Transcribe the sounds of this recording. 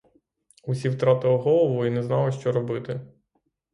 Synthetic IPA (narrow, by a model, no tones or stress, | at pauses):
usʲiwt̪ɾɑt̪ɪlˠɔɦɔlˠɔʋʊinɛznɑlˠɪʃt͡ʃɔɾɔbɪt̪ɪ